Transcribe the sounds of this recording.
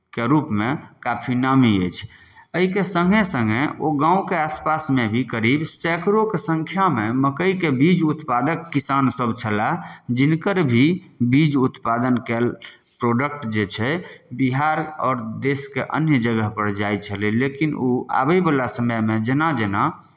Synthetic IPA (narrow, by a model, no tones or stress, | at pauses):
keɾupmekapʰinamiəjt͡ʃʰ | əɦikesəŋɡʱesə̃ŋɡeoɡãũkeaspasmebʱikəɾibsɛkɾokesə̃ŋkʰjameməkəikebid͡ʒut̪pad̪əkːisansəbt͡ʃʰəlad͡ʒinkəɾbʱibid͡ʒut̪pad̪ənkɛl | pɾoɖək̚ʈd͡ʒet͡ʃʰɛbiɦaɾɔ̰ːɾd̪eskeʔə̰njəd͡ʒəɡəɦpəɾd͡ʒajt͡ʃʰəlilekinoa̰bəjbalasəməjmed͡ʒenad͡ʒena